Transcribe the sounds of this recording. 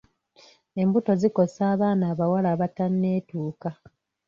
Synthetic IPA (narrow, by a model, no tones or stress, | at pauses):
e̞mbuto̞ziko̞saːβaːnaːβawalaːβatanːe̞ːtuːka